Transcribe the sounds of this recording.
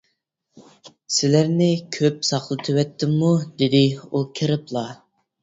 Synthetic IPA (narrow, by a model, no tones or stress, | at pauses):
sɪlæɾnɪkʲʰøpsɑχlˠɨt̪ʰɨwɛt̪ʰːɪmːud̪ɪd̪ɪukʲʰɪɾɪplˠɑ